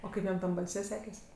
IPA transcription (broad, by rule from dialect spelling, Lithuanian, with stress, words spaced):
oː ˈkɐɪp jɛm ˈtɐm bɐlʲˈsʲɛ ˈsʲæːkʲeːs